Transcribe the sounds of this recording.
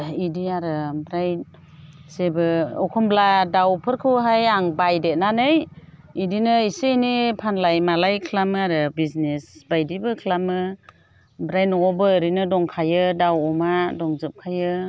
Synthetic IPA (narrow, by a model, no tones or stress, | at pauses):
idiaɾɯbɾaj | sebɯɔkʰɔmbladawpʰɯɾkʰɯwɦajaŋbajdet̚nanɯj | idinɯisejnipʰanlajmalajkʰlamɯaɾɯbiznesbajdibɯkʰlamɯ | bɾajnɔɔbɯːɾinɯdɔŋkʰajɯdawɔmadɔŋzɯp̚kʰajɯ